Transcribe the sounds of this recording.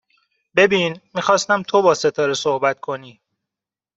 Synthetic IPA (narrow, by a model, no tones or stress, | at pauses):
be̞biːnmiːxɒːst̪æmt̪ʰobɒːse̞t̪ʰɒːɾesohbæt̪kʰo̞niː